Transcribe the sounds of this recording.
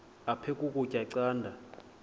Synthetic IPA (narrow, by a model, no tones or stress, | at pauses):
apʰɛkʼukʼucʼaǀaːndʱa